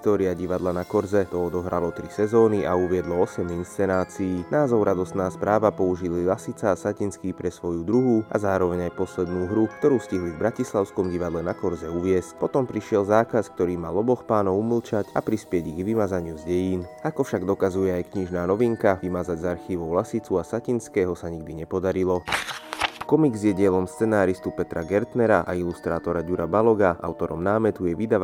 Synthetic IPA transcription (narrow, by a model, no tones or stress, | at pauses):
st̪ɔːɾiaɟiʋad̪lanakɔɾzɛt̪ɔɔd̪ɔɦɾalɔt̪ɾisɛzɔːniʔauʋɪɛd̪lɔɔsɛminst͡sɛnaːt͡siiːnaːzɔʊɾʔad̪ɔst̪naːspɾaːʋapɔuʒililasit͡saːsacinskiːpɾɛsʋɔjud̪ɾuɦuʔa̰zaːɾɔʋɛɲajpɔslɛd̪nuːɦɾukt̪ɔɾuːsciɦlivbɾacislaʊskɔmɟiʋad̪lɛnakɔɾzɛuʋɪɛscpɔt̪ɔmpɾiʃɪɛlzaːkaskt̪ɔɾiːmalˠɔbɔxpaːnɔʊumlt͡ʃacapɾispɪɛɟiɣɡʋimad͡zaɲɪuzɟɛjiːnakɔfʃaɡd̪ɔkazujɛajkɲiʒnaːnɔʋiŋkaʋimad͡zaɟzaɾxiːʋɔʊlasit͡suasacinskɛːɦɔsaɲiɡ̚d̪iɲɛpɔd̪aɾilɔ | kɔmiɡzjɛɟɪɛlɔmst͡sɛnaːɾist̪upɛt̪ɾaɡɛɾt̪nɛɾaʔa̰ilust̪ɾaːt̪ɔɾaɟuɾabalɔɡaa̰ʊt̪ɔɾɔ̰mnaːmɛt̪ujɛʋid̪aʋ